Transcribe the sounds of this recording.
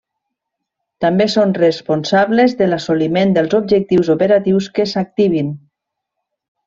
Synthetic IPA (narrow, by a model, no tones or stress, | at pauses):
t̪ambesonrəspunsaβlezðəlasulimend̪əlˠzob̚ʒək̚t̪iwzopeɾat̪iwskesak̚t̪iβ̞in